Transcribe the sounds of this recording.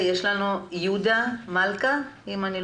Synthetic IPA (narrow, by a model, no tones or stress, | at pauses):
jeʃlanojud̪amalkaimani